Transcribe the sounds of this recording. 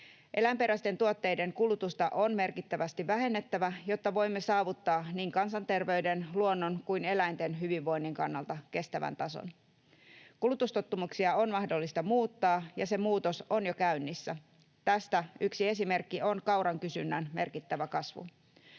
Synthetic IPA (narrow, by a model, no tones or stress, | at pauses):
ʔe̞læmpe̞ɾæst̪e̞nt̪uot̪ːe̞jde̞ŋkulut̪ust̪ɑʔonme̞rkit̪ːæʋæst̪iʋæɦe̞nːet̪ːæʋæjo̞t̪ːɑʋo̞jmːesɑːʋut̪ːɑːniːŋkɑnsɑnt̪e̞rʋe̞yde̞nluonːo̞nkujne̞læjnt̪e̞nɦyʋiʋːo̞jnːiŋkɑ̰nːɑlt̪ɑke̞st̪æʋæ̰nt̪ɑso̰n | kulut̪ust̪ot̪ːumuksiɑonmɑhdo̞lːist̪ɑmuːt̪ːɑːjɑse̞muːt̪o̞so̞njokæynːisːæ | t̪æst̪æyksie̞sime̞rkːio̞nkɑwɾɑŋkysynːænme̞̰rkit̪ːæʋækɑsʋṵ